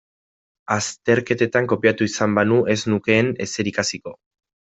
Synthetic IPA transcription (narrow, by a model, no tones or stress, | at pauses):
ast̪e̞ɾke̞t̪e̞t̪aŋko̞piat̪uisambanuʔe̞znuke̞ːne̞se̞ɾikasiko̞